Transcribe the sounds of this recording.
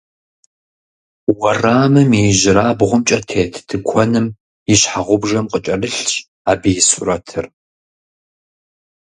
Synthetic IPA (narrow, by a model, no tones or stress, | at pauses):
wɐraːmɨmiʒɪɾaːbʁʷʊmt͡ʃʼɐtʰeːtʰtʰɨkʷʰɔnɨm | jɪɕħaʁʷʊbʐɐmqʼət͡ʃʼɐlɨɬɕ | aːbɨjɪsuɾɐtʰɨr